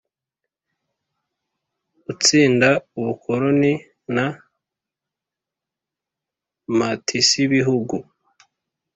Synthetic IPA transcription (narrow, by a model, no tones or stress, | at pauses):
ut͡siːndauβukʰo̞ɾo̞ni | na | matʰisiβiɦuɡu